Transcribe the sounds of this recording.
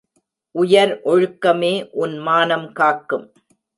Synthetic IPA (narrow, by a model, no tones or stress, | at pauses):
ʔʊjɐɾʔɔɻɯkːɐmeːʔʊnmaːnɐmkaːkːɯm